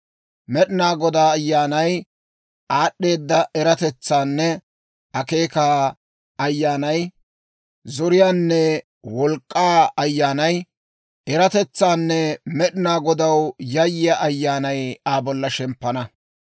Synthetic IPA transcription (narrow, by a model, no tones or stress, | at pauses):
mɛɗɪnaːɡɔd̪aːjːaːnɐj | aːɗːe̞ːd̪ːɐɛɾɐt̪ɛt͡sːaːnːɛ | ɐke̞ːkaː | ɐjːaːnɐj | zɔɾɪjaːnːɛ | wɔlkʼːaːɐjːaːnɐj | ʔɛɾɐt̪ɛt͡sːaːnːɛmɛɗɪnaːɡɔd̪ɐwjɐjːɪjaʔɐjːaːnɐjaːbɔlːɐʃɛmpːɐnɐ